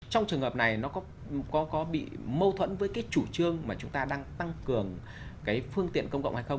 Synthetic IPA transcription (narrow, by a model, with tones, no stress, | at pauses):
t͡ɕɔ˧wŋ͡mt͡ɕɨ˨˩əŋhəː˨˩p̚na˨˩jnɔ˨˦kɔ˨˦ | kɔ˨˦kɔ˨˦ɓḭ˧˨mə˧wt̪ʰwə̰˧˥nvəː˨˦jkaː˨˦jt͡ɕu˧˩t͡ɕɨ˧əŋmaː˨˩t͡ɕʊ˨˦ŋ͡mt̪aː˧ɗaː˧ŋt̪a˧ŋkɨ˨˩əŋ | kaː˨˦jfɨ˧əŋt̪ḭ˧˨ənkə˧wŋ͡mkə̰˧˨wŋ͡mha˧jxə˧ŋ͡m